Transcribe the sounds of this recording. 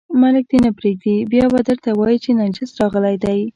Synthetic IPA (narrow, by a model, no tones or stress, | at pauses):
malɪk̚d̪enapɾeɡ̚d̪ibjɑbad̪əɾt̪awɑjit͡ʃenad͡ʒɪsɾɑɣəlajd̪aj